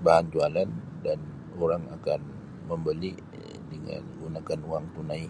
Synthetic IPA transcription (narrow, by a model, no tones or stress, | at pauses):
baɦand͡ʒualandan | oɾaŋakan | məmbəli | dəŋa̰nɡunakanuaŋt̪unai